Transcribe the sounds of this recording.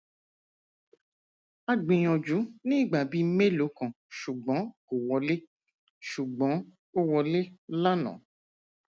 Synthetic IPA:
a˧ɡ͡bĩ˨j̃ɔ̃˨d͡ʒu˨˦nĩː˦˨ɡ͡ba˨bi˨˦me˦lo˨˦kã˨ | ʃu˨ɡ͡bɔ̃˨˦ko˨wɔ˨˧le˦ | ʃu˨ɡ͡bɔ̃˨˦ | o˦wɔ˧le˦la˦nɔ̰̃˨˦

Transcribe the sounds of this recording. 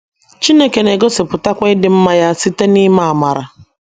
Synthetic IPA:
t͡ʃi˦ne˦ke˨ne˨ɡo˦se˨pʊ˨ta˦kʷa˦ɪ˦dɪ˦m̩˦ma˦ja˦si˦te˦ni˦ma˨a˨ma˨ɾa˨

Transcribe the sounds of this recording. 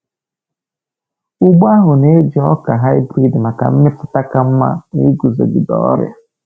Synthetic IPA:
ʊ˦ɡ͡ba˦ɦʊ˨ne˦d͡ʒi˨ɔ˦ka˨ɦa˦jbɾi˦dma˨ka̰˨m̩˦mɪ˦pʊ˨ta˦ka˦m̩˦ma̰˦ni˦ɡu˨zo̰˨ɡi˨dɔ̰˦ɾj̰a˨

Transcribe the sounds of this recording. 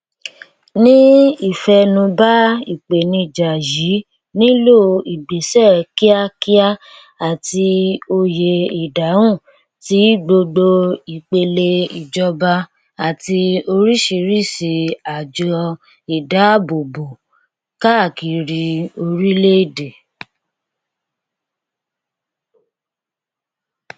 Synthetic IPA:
nĩ˦i˦˨fɛ˧nũ˧ba˦i˨k͡pe˨nĩ˧˨d͡ʒa˨ji˨˦ | nĩ˦lo˦˨i˨ɡ͡be˨sɛ˦˨ki˦a˦ki˦a˦ | a˨ti˧o˧je˧i˨da˨˦wũ˦˨ | ti˨˦ɡ͡bo˧ɡ͡bo˧i˨k͡pe˧le˧i˨d͡ʒɔ˧ba˧ | a˨ti˧o˧ɾi˦ʃi˧ɾi˦˨si˨˧a˨d͡ʒɔ˧ | i˨da˨˦˨bo˨bo˨ | ka˦˨ki˧ɾi˧o˧ɾi˦le˦i˦˨de˨

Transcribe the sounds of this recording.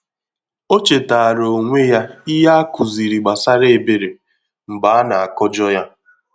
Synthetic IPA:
o˦t͡ʃe˨ta˨a˨ɾo˨ŋʷe˦ja˦i˦ɦa˦a˦ku˨zi˨ɾi˨ɡ͡ba˨sa˦ɾe˦e˨be˨ɾe˨ | m̩˨ba˦a˦na˨a˨kɔ˦d͡ʒɔ˦ja˦

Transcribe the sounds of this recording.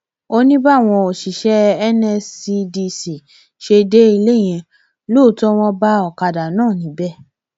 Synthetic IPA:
o˧nĩ˦ba˦˨w̃ɔ̃˧o˨ʃi˨ʃɛ˦ɛ˦nɛ˧si˧di˧si˨ | ʃe˧de˦i˧le˦˨j̃ɛ̃˧ | lo˦˨tɔ˦w̃ɔ̃˧ba˦ɔ˨ka˧da˨nãː˦˨nĩ˨˦bɛ˦˨

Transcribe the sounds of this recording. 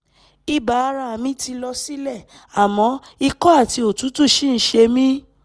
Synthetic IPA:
i˦ba˨˦˧ɾa˧a˨mĩ˦ti˧lɔ˧si˦lɛ˦˨ | a˨mɔ̃˨˦ | i˧kɔ˦a˦˨ti˨˧o˨tũ˨˦tu˦˨ʃĩ˦˨n̩˨˦ʃe˧mĩ˦

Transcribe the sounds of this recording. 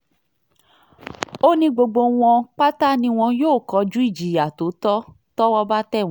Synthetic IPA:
o˦nĩ˧ɡ͡bo˧ɡ͡bo˧w̃ɔ̃˧k͡pa˦ta˦nĩ˧w̃ɔ̃˧joː˦˨kɔ˧˦d͡ʒu˦i˦˨d͡ʒi˨˦˨ja˨to˨˦tɔ˦ | tɔ˦wɔ˧ba˦tɛ̃˦˨˦

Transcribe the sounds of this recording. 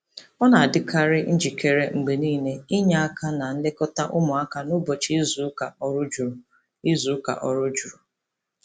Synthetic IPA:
ɔ˦na˨a˨dɪ˦kʰa˦ɾɪ˦n̩˦d͡ʒi˨kʰe˨ɾe˦ŋ͡m̩˨ɡ͡be˨niː˦ne˦i˦ɲa˨a˦kʰa˦na˨n̩˦lɪ˦kɔ˦ta˦ʔʊ˦mʊ˨a˦ka˨nʊ˦bɔ˨t͡ʃi˦zu˨˦ka˨ɾd͡ʒɾ | i˦zu˨˦ka̰˨ʔɔ˨ɾʊ˦d͡ʒu˨ɾʊ˨

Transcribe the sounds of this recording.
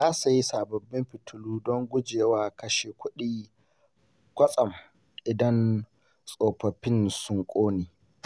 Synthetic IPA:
zaː˦su˨ji˦saː˨bɐ˨bːɪ˦mɸɪ˨tʰʊ˨luː˦dɔ˦ŋɡʷʊ˦d͡ʒeː˨waː˦kɐ˦ʃeː˨kʷʊ˦ɗiː˦ | kʷɐ˦sʼɐ˨m | ʔɪ˨dɐ˦n | sʼoː˨ɸɐ˨ɸɪ˦nsʊ˦ŋkʷʼoː˦niː˨

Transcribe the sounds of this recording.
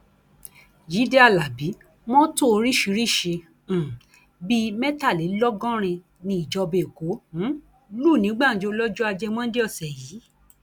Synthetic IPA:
d͡ʒi˨˦de˦a˦˨la˨bi˨˦ | mɔ̃˦to˦˧ɾi˦ʃi˧˦ɾi˦˨ʃẽ˧˨ | bi˦mɛ̃˦ta˦˨le˨˦lɔ˦ɡɔ̃˦ɾ̃ĩ˧ | nĩ˧i˨d͡ʒɔ˧be˨ko˨˦ | luː˦˨nĩ˨˦ɡ͡ba˦˨˦d͡ʒo˧˦lɔ˦d͡ʒu˦a˧d͡ʒɛ˧m̃ɔ̃˦de˦ɔ˦˨sɛ˨jiː˨˦

